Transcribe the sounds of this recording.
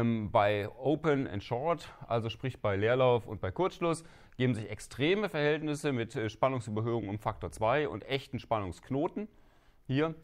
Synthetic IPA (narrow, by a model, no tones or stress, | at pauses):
mbaɪʔoʊpənɛ̰ntʃɔɐtʔa̰lzoʃpʁ̥ɪçb̥aɪleːɐlaʊfʊ̰nt̚b̥aɪkʰʊɐt͡sʃlʊs | ɡ̥eːbm̩zɪçɛkstʁ̥eːməfɛɐhɛltnɪsəmɪtʃpanʊŋsʔyːbɐɦøːʊŋənʊmfaktoːɐt͡sv̥aɪʔʊ̰ntʔɛçtn̩ʃpanʊŋsknoːtn̩ | hiːɐ